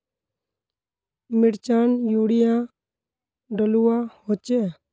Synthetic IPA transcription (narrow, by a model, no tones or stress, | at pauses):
mɪɽt͡ʃaːnjuːɽɪjãː | ɖəluːãːhoːt͡ʃeː